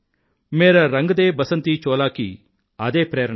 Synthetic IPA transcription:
meːɾɐɾɐŋɡɐd̪eːbɐsɐnt̪it͡ʃɔːlaːkḭ | ɐd̪eːpɾeːɾɐ

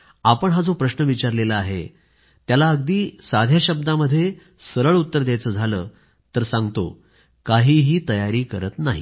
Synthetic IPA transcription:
apəɳɦad͡zopɾəɕnəʋit͡ɕaɾleləaɦḛ | t̪jalaəɡd̪iːsad̪ʱjaɕəb̚d̪aməd̪ʱːje | səɾəɭut̪ːəɾd̪jajt͡səːd͡zʱaləː | t̪əɾsãŋɡt̪o̰ | kaɦiːɦiːt̪əjaɾiːkəɾət̪naɦḭ

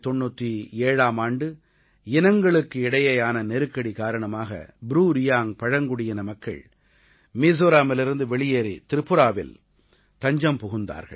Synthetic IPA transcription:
t̪ɔɳːuːt̪ːieːɻaːmaːɳɖɯ | ɪnɐŋɡɐɭɯkːɯɪɽɐjɐjaːnɐnɛɾɯkːɐɽikaːɾɐɳɐmaːɣɐ̰bɾuːɾɪjaːŋpɐɻɐŋɡʊɽɪjɐnɐmɐkːɐ̰ɭ | miːs̬oːɾaːmɪlɪɾɯnd̪ɯʋɛɭɪjeːɾḭt̪ɪɾɯpːɯɾaːʋɪ̰l | t̪ɐɲd͡ʒɐmpʊɣɯnd̪a̰ːɾɣɐ̰ɭ

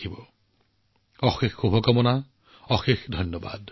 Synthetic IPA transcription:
ibɔ | ɔxexːubʱɔkɔmɔna | ɔxexdʱɔjnjɔba̰d

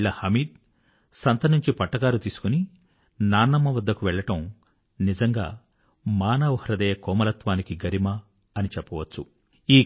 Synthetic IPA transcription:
ɭːɐhɐmiːd̪̚ | sɐnt̪ɐnuɲt͡ʃipɐʈːɐkaːlut̪iːsu̥kuni | naːnːɐmːɐʋɐd̪ːɐkuʋɛɭːɐʈɐm | nid͡ʒɐŋɡa̰ː | maːnɐʋuhɾɐd̪ɐːjɐkɔːmɐlɐt̪ʋaːnikiɡɐɾimɐ | ɐnit͡ʃɛpːɐʋɐt͡ʃːu | iː

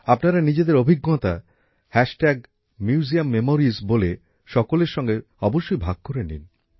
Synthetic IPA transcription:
apnaɾanid͡ʑed̪eɾobʱiɡːot̪a | hɛʃʈɛɡ̚ | mjuːziamːemoɾizbole | ʃɔkoleɾʃɔŋɡe | ɔboʃːojbʱaɡ̚koɾenḭn

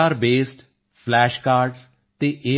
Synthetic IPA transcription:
aːɾbeːsʈ | pʰlɛːʃkaːɾɖz | t̪eːʔeː

